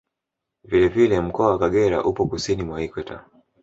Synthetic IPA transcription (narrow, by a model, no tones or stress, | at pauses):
vilɛvilɛm̩kɔawakaɠɛɾa̰ʔupɔkusinimwaikwɛta̰